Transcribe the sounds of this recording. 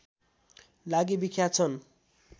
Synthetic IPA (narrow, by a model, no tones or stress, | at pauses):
laɡibikʰjat͡sʰʌn